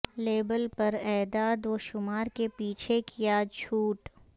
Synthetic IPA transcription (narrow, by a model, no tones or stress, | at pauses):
leːbəlpɐɾɛːd̪aːd̪oːʃʊmaːɾkepiːt͡ʃʰekijat͡ʃʰuːʈ